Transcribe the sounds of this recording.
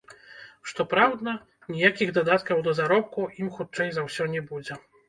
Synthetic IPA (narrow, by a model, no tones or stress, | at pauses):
ʂt̪ɔpɾawd̪nɐ | nʲijakʲiɣd̪ɐd̪at̪kɐwd̪ɐzaɾɔp̚kuimxut̪t͡ʂɛjzawsʲɔnʲɛbud͡zʲɛ